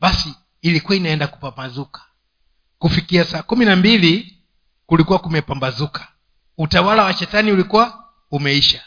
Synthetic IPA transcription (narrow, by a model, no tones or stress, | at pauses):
basiː | likuwainaɛndaku̥pamazukḁ | kufikiasaːkuminambili | kulikuwakumɛpambazukʰḁ | utawalawat͡ʃɛtaniulikuwa | umɛiʃa